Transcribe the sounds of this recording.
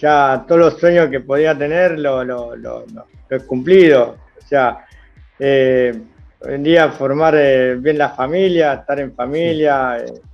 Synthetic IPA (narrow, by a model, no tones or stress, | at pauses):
ʒ̥at̪oðoloswe̞ɲoske̞poð̞iat̪e̞neɾlololo̰lo | loekumpliðo̞ | osea | e | o̰jend̪iafoɾmaɾeβje̞nlafamiljaehst̪aɾe̞ɱfamiljaḛ